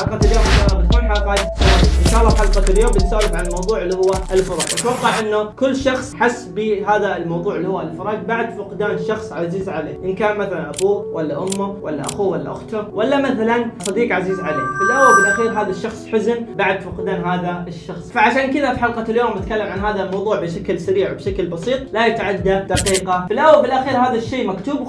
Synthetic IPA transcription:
ħɑlqɑt̪ɪljoːmʔɪnʃaːʔlːɑːbɪt̪̚kuːnħalqɑːt̪ɑʔɪnʃaːʔlːɑːfħɑlqɑljoːmbɪt̪saːɾɪbʕanlmɑwðˤuːʕlːiːhʊwːaʔɪlfɪɾˤɑ̰ːd͡ʒʔat̪wɑqːɑʕʔɪnːʊkʊlːʃɑxsˤħasːbɪɦaːðalmɑwðˤuːʕɪlːiːhʊwːalfɑɾˤɑːd͡ʒbaʕd̪fʊqd̪aːnʃɑxsˤʕaziːzʕalḛːʔɪnkaːnmaθalanʔabuːwʔalːaʔʊmːʊwʔalːa̰ʔa̰xuːwalːa̰ʔʊ̰xt̪ʊwʔalːamaθalansˤɑd̪iːqʕaziːzʕalḛːfɪlʔawːalbɪlʔaxiːɾɦaːðaʃːɑxsˤħʊznbaʕd̪fʊqd̪aːnɦaːðaɪʃːɑxsˤfaʕaʃaːnkɪðafiħɑlqɑljoːmːɪt̪kalːamʕanɦaːðamɑwðˤuːʕbɪʃaklsaɾiːʕbʃaklbɑsˤiːt̪̚ˤlajat̪aʕad̪ːad̪aqiːqɑfɪlʔawːalbɪlʔaxiːɾhaːðaʃːeːmakt̪uːb

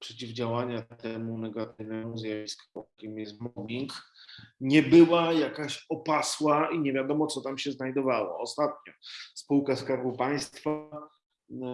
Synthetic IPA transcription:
pʂɛt͡ɕivd͡ʑawaɲat̪ɛmunɛɡat̪ɘvnɛmuzʲjavʲiskɔɔkʲɛmjɛsmɔmʲiŋk | ɲɛbɘwajakaɕɔpaswaiɲɛvʲjad̪ɔmɔt̪sɔt̪amɕɛznajd̪ɔvawɔ̰ɔst̪at̪̚ɲɔspuwkaskaɾɡupaj̃st̪fa

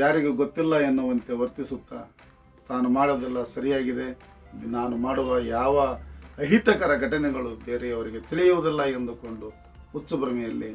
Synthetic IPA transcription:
jaːɾiɡeɡot̪ːilːɐenːuʋɐnt̪e̞ʋɐɾt̪isut̪ːa̰ | t̪aːnumaːɽuʋɐd̪ilːɐsɐɾijaːɡid̪e̞ | naːnumaːɽuʋɐjaːʋɐɐɦit̪ɐkɐɾɐɡʱɐʈɐnɛɡɐɭubeːɾeɐʋɐɾiɡe̞t̪iɭijuʋud̪ilːɐend̪uko̞ɳɖu | ut̪ːsubɾɐmijɐlːi

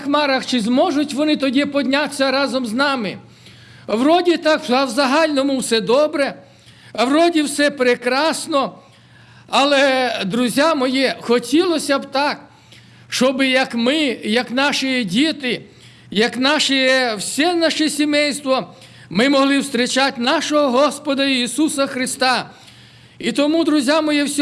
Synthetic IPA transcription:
xmɑɾɐxt͡ʃɪzmɔʒʊtʲʋɔnɪt̪ɔdʲipɔdʲnʲat̪sʲɐɾɑzɔmznɑmɪ | wrɔdʲit̪ɑkɐwzɐɦɑlʲnɔmʊwsɛd̪ɔbɾɛ | wrɔdʲiwsɛpɾekɾɑsnɔ | ɐlˠɛd̪ɾʊzʲjamɔjixɔtʲilˠɔsʲɐbt̪ɑk | ʃɔbɪjɐkmɪjɐknɑʃɪjdʲit̪ɪ | jɐknɑʃɪjɛwsʲɛnaʃɛsʲimɛjst̪ʋɔ | mɪmɔɦlˠɪwst̪ɾɪt͡ʃatʲnɑʃɔɦɔɦɔspɔd̪ɐisusɐxɾɪst̪ɑ | it̪ɔmud̪ɾʊzʲjamɔjiwsʲ

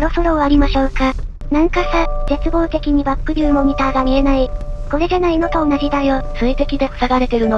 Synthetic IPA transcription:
soɾo̞so̞ɾo̞aɾʲimaɕo̞ːka | nãŋkasazet͡sɨbo̞ːt̪e̞kʲiɲ̟ibakːɯ̟ɾʲɯːmo̞ɲʲit̪aːɡamʲie̞naiko̞ɾe̞d̪enaino̞t̪oːnaʑid̪aiosɨit̪e̞kʲid̪e̞o̥saɡaɾe̞t̪e̞ɾɯ̟no

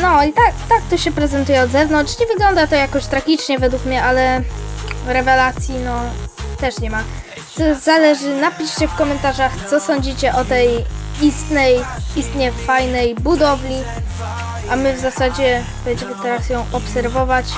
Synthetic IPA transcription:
nɔit̪akt̪akt̪uɕɛpɾɛzɛnt̪ujɛɔd̪zɛvnɔntʂɲɛvɘɡlɔnd̪at̪ɔjakɔɕt̪ɾaɡʲit͡ʂɲɛvɛd̪wukmɲɛʔalɛ | ɾɛvɛlat̪sʲjinɔt̪ɛʂɲɛma | zɔzalɛʐɘnapʲiɕt͡ɕɛfkɔmɛnt̪aʐaxt̪sɔsɔɲd͡ʑit͡ɕɛʔɔt̪ɛjist̪nɛjist̪ɲɛfajnɛjbud̪ɔvlʲi | ʔamɘvzasad͡ʑɛ | bɛɲd͡ʑɛmɘt̪ɛɾasjɔ̃w̃ʔɔpsɛɾvɔvat͡ɕ

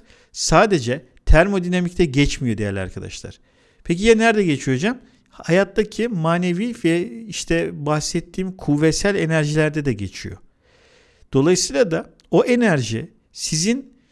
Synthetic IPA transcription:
saːd̪e̞d͡ʒɛ | t̪ʰæɾmo̞d̪ynamict̪ʰɛɟɛt͡ʃmijo̞d̪ejæ̰ɾlʲa̰ɾkʰad̪a̰ʃlˠa̰ɾ̥ | pʰec̬ijɛnæɾd̪ɛɟe̞t͡ʃʰijo̞d͡ʒam | ajat̪ːacʰimaːne̞vivɛiʃt̪ʰɛbaxsɛt̪ʰːiːmkʰuvːɛsælʲe̞næɾʒilʲæɾd̪ɛd̪ɛɟe̞t͡ʃʰijo̞̰ | d̪̥o̞lˠajɯsɯjlˠad̪a | o̞ʔe̞næɾʒi | sizin

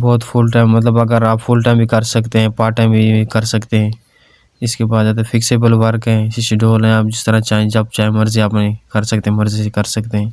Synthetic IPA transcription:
bɔːt̪pʰʊlʈaːɪmːət̪ləbəɡəɾaːpfʰʊlʈãːmbʱikəɾsəkt̪eɦɛ̃ːpaːʈẽbʱikəɾsəkt̪eɦɛ̃ː | ɪskebaːd̪ːt̪efʰɪkseːbəlʋəɾkɦɛ̃sɪsɖoːlɦɛ̃aːp̚d͡ʒɪst̪əɾãt͡ʃaːɦẽed͡ʒɐb̚t͡ʃaːɦẽməɾziaːpnekəɾsəkt̪eɦɛ̃məɾzissekəɾsəkt̪eɦɛ̃ː

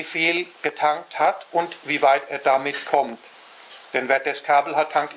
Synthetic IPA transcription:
fiːlɡ̥ətʰaŋk̚thatʊntv̥iːvaɪteːɐdamɪtkʰɔmt | d̥ɛnveːɐd̥ɛskʰaːbl̩hatʰːaŋk̚t

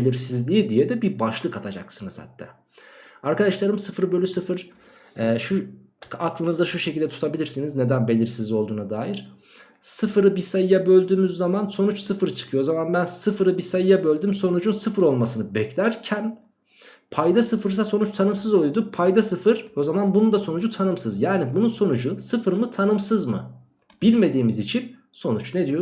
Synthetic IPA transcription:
belʲiɾsizlʲiid̪ijɛd̪ɛbibaʃlˠɯkat̪ʰad͡ʒa̰ksɯnɯzha̰t̪ʰːɛ̰ | aɾkad̪aʃlˠaɾɯmsɯfɯɾɯbølʲysɯfɯɾ̥ | ɛːʃu | aklˠɯnɯzd̪aʃuʃecʰilʲd̪ɛt̪ʰu̥t̪ʰabilʲiɾsinizne̞d̪ænbe̞lʲiɾsizlʲio̞lˠd̪uːnad̪aːjiɾ̥ | sɯfɯɾɯbisajɯjabø̞lʲd̪yːmyzːamanso̞nut͡ʃsɯfɯɾɯt͡ʃʰɯ̥kʰɯjozamanbænsɯfɯɾɯbisajɯjabø̞lʲd̪ymso̞nud͡ʒunsɯfɯɾo̞lˠmasɯnɯbɛclʲæɾcʰæn | pʰajd̪asɯfɯɾs̬aso̞nut͡ʃt̪ʰanɯmsɯzo̞lˠujd̪upʰajd̪asɯfɯɾ̥o̞zamanbunund̪aso̞nud͡ʒut̪ʰanɯmsɯzjaːnibununso̞nud͡ʒusɯfɯɾmɯt̪ʰanɯmsɯzmɯ̰ | b̥ilʲme̞d̪iːmizit͡ʃʰin | so̞nut͡ʃned̪ijo

